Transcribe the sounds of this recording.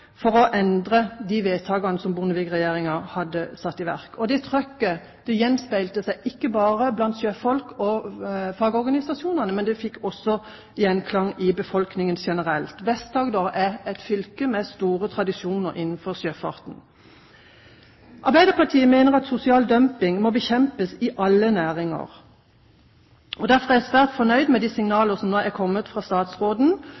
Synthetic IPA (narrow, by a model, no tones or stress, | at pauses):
fɔʁɔʔɛnd̪ʁəd̪iʋeːt̪ʰɑːɡɑnəsɔmbʊʁnəʋɪɡʁɛjeːʁɪŋɑhɑd̪ːəsɑt̪ːɪʋæ̰ʁkɔd̪ɛt̪ʰʁœkːə | d̪̥ɛjɛnːspæɪlt̪əsæɪʔɪkːəbɑːʁəblɑnt̪sjøːfɔlkʰɔfɑɡɔʁɡɑnɪsɑsɪuːnəʁnəmɛnd̪ɛfɪkːɔsːɔ | jɛnkʰlɑŋːɪbəfɔlknɪŋənʃɛnəʁɛlt̪ʋɛst̪ɑːɡd̪oʁɛɛt̪fʏlkəmɛst̪uːʁət̪ʰʁɑd̪ɪʃjuːnəʁʔɪnːn̩fɔʁsjøːfɑ̰ʁt̪n̩ | ʔɑʁbæɪd̪əʁpʰɑʁt̪ʰiːəmeɪnəʁɑt̪sʊsɪɑːld̪œmpɪŋmɔbəçɛmpəsɪʔɑlːənæːʁɪŋə̰ʁ | ɔd̪æʁfɔʁæsʋæːʁt̪fɔnœʏd̪mɛd̪iːsɪŋnɑːləʁsɔmnoækʰɔmːət̪fʁɑːst̪ɑːt̪sʁoːd̪n̩